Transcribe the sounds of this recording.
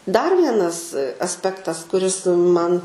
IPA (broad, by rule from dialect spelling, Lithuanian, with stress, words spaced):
dɐr ˈʋʲiɛnɐs ɐsʲˈpʲæːktɐs kʊˈrʲɪs ˈmɐn